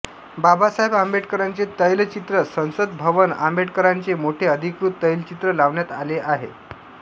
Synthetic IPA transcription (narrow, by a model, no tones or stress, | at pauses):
babasaɦebambeʈkəɾant͡set̪əjlt͡ɕit̪ɾəsə̃w̃səd̪bʱəʋəna̰mbeʈkəɾant͡semoʈʰeəd̪ʱikɾut̪ːəjlt͡ɕit̪ɾəlaʋɳjat̪aleʔaɦḛ